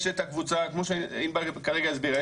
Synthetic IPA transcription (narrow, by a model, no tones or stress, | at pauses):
ʃet̪akvut͡sakmoʃeinbakaʁeɡaazbiʁe